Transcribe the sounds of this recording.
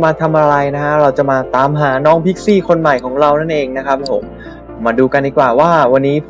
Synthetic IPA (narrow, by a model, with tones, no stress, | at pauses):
maː˧t̪ʰa˧mʔa˧ɾa˧jna˦˥kʰa˦˥ɾa˧wt͡ɕa˨˩maː˧t̪aː˧˦mɦaː˩˦nɔː˦˥ŋpʰi˦˥k̚siː˥˩kʰo˧nma˨˩jkʰɔː˩˦ŋɾa˧wna˥˩nʔeː˧ŋna˦˥kʰɾa˦˥p̚ʰːo˩˦mː | aː˧duː˧ka˧ndiː˧˩kwaː˨˩waː˥˩wa˧nːiː˦˥pʰ